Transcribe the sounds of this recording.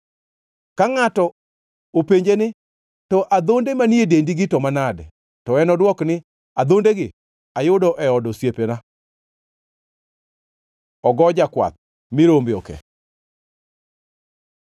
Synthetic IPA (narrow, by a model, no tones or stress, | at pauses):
kaŋatɔ | opeɲd͡ʒenɪ | tɔʔad̪ondemaniedendiɡɪtɔmanadɛ | tɔɛnɔdwɔknɪ | ad̪ondeɡɪ | ajʊdɔʔɛɔdɔsjepena | ɔɡɔd͡ʒakwa̰t̪̚ | mɪɾombeɔkɛ̰